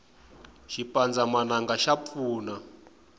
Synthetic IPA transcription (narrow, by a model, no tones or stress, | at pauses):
ʃipand͡zamanaŋɡaʃap̪fuːna